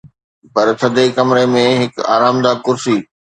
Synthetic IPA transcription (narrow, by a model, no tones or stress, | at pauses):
pɐɾt̪ʰɐd̪ʱekɐmɾemẽɦɪka̰ːɾaːmd̪aːkʊɾsiː